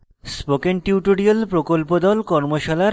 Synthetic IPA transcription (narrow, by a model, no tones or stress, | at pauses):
spokenʈiwʈoɽiolpɾokolpod̪ɔlkɔɾmoʃala